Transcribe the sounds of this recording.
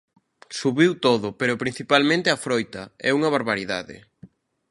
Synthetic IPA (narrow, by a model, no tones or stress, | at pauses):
suβiwt̪oðʊpeɾʊpɾin̟θipalmẽnt̪eɐfɾojt̪ɐɛuŋɐβaɾβaɾiða̰ðɪ̰